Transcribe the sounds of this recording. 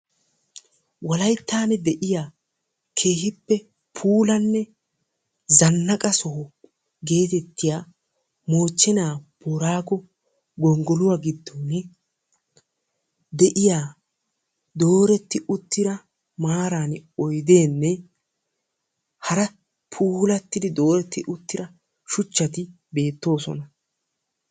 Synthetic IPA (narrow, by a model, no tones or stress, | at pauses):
wɐlɐjt̪ːaːnɛd̪ɛʔɪjaː | kʰe̞ːɦɪpːɛ | pʰuːlɐnːɛ | zɐnːɐkʼɐsɔ | ɡe̞ːt̪ɛt̪ːɪjaː | mo̞ːt͡ʃːɛnaːb̥ɔɾaːɡɔ | ɡɔŋɡɔlʊwaɡɪd̪ːoːnɛ | d̪ɛʔɪjaː | d̪o̞ːɾɛt̪ːɪʊt̪ːɪɾɐ | maːɾaːnɔjd̪e̞ːnːɛ | hɐɾɐ | pʰuːlɐt̪ːɪd̪ɪd̪o̞ːɾɛt̪ːɪʔʊt̪ːɪɾɐ | ʃʊt͡ʃːɐt̪ɪ | be̞ːt̪ːo̞ːsɔ̰nɐ